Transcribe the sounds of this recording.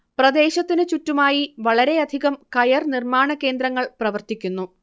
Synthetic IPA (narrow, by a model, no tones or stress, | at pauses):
prɐd̪e̞ːɕɐt̪ːinɨt͡ɕutːumaːjiʋɐɭɐɾe̞ɐd̪ʱiɣɐmkɐjɐrnirmaːɳɐke̞ːnd̪ɾɐŋːɐɭprɐʋɐrt̪ikʲːunːu